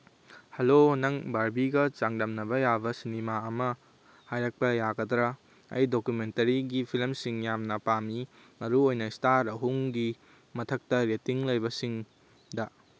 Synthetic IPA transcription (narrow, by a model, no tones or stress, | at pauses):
hɐlonɐŋbaɾbiɡɐt͡ʃaŋdɐmnɐbɐjabɐsinimaɐmɐ | hajɾɐk̚pɐjaɡɐdɾɐ | ɐ̰jdokumentɐɾiɡipʰilmsiŋjamnɐpami | mɐɾuojnɐistaɾɐɦuŋɡi | mɐtʰɐk̚tɐɾetiŋlɐjbɐsiŋ | dɐ